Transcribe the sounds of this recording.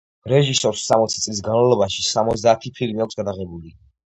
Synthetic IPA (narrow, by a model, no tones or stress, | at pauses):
ɾɛʒisɔɾsːamɔt̪sʰit̪sʼlis̬ɡanmalˠɔbaʃisamɔt̪zsd̪aːt̪ʰipʰilmiakʰsɡad̪aʁɛbuli